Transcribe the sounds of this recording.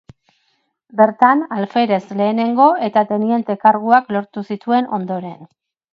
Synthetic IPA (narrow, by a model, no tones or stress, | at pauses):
be̞ɾt̪analfe̞ɾe̞sle̞ːne̞ŋɡo̞e̞t̪at̪e̞nie̞nt̪e̞kaɾɣuaklo̞ɾt̪usit̪ue̞no̞nd̪o̞ɾe̞n